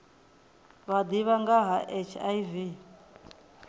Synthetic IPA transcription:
βad̪iβaŋɡaɦaʔɛt͡ʃʰajivi

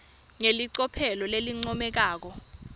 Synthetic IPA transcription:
ŋeliǀɔpʰɛlɔleliŋ͡ǀɔmɛk̬aːk̬ɔ

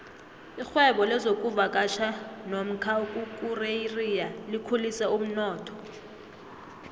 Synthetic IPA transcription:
ixwɛɓɔlɛzokʼuvakʼaʃanom̩kʰakʼukʼureirijalikʰulisɛum̩nɔːtʰɔ̥

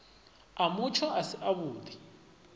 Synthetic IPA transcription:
amut͡ʃʰɔʔasiʔaβuːd̪i

